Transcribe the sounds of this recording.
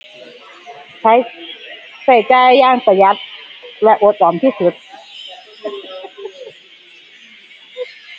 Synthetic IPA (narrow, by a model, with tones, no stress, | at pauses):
a˧j | sa˨˩jt͡ɕaː˧˩jːaː˧˥˩ŋpa˧˩ja˦˥t̪̚lɛ˦˥ʔo˨˩˦t̪̚ʔɔː˨˦mt̪ʰiː˥˩su˨˩t̪̚